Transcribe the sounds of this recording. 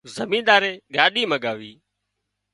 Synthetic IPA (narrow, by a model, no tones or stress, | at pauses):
zəmĩːnɗ̪aːɾeːɠaːɗiːməɠaːʋiː